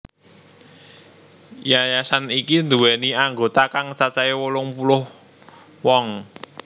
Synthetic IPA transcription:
jajasanikind̪ṳwɛniaŋɡot̪akaŋt͡ʃat͡ʃaiwolʊŋpulʊh | wɔŋ

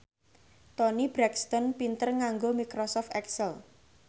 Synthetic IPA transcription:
t̪ɔnibɾɛkst̪ɔnpint̪ərŋaŋɡomikɾɔsɔft̪ɛksəl

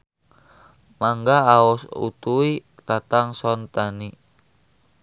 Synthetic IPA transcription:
maŋɡaːɔsṵt̪ui | t̪at̪aŋsɔnt̪ani

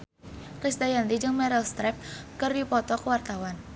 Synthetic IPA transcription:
kɾist̪ajant̪id͡ʒɨŋmɛɾɛlst̪ɾɛp̚kɨrdipɔt̪ɔkəwart̪awan

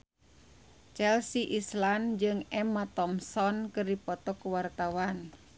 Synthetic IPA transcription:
t͡ʃɛlsiʔisland͡ʒɨŋɛmat̪ɔmsɔnkəripɔt̪ɔkwart̪awan

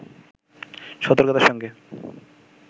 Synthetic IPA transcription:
ʃɔt̪oɾkot̪aɾʃɔŋɡe

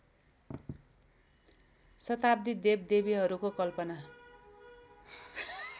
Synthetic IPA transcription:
sʌt̪ab̚d̪id̪eb̚d̪ebiɦʌɾukokʌlpʌna

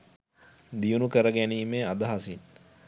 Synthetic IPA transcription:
d̪ijunukəɾəɡæniːmeːad̪ɐɦasin

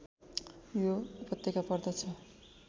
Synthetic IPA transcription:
jopʌt̪jekapʌrd̪ʌt͡sʰʌ

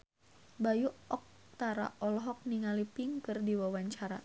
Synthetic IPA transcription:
bajuɔk̚ | t̪aɾa̰ɔlɔɦɔk̚niŋalipiŋkɨrdiwawaɲt͡ʃaɾa

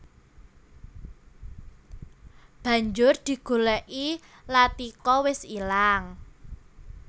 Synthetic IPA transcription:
b̥ä̤ɲd͡ʒʊrd̪̥i̤ɡ̥o̤lɛʔilat̪ikɔwɪsilaŋ

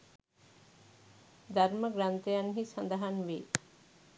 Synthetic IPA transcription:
d̪ʱaɾməɡɾant̪ejanɦisənd̪aɦanʋe

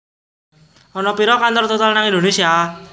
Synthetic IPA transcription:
ɔnɔpiɾɔkant̪ɔrt̪ot̪alnaŋind̪onesia

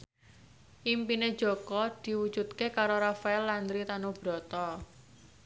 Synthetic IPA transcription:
ʔimpine̥ʒ̥ɔ̤kɔd̪̥i̤wud̥d͡ʒ̥ṳt̪̚kekaɾoɾafaɛlːand̪ɾit̪anob̥ɾɔ̤t̪ɔ

